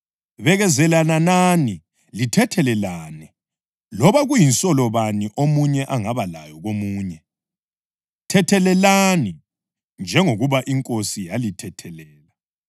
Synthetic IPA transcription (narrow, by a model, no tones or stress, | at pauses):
βɛɣɛzɛlananani | litʰɛtʰɛlɛlaːnɛ | lɔβaɣujinsʼɔlɔβaniʔomuɲɛʔaŋaβala̰jɔɣomuːɲɛ | tʰɛtʰɛlɛlani | nd͡ʒʱɛŋoɣuβaʔiŋkʼosijalitʰɛtʰɛlɛːla